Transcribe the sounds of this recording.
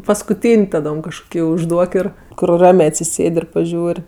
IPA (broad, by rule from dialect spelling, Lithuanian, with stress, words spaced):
pɐskʊˈtʲiːnʲ tɐˈdoːm kɐʃˈkoːkʲɪ ʊʒˈduɔk ɪr kʊr ˈrɑːmʲeː ɐtʲsʲɪˈsʲeːtʲ ɪr pɐˈʒʲuːrʲ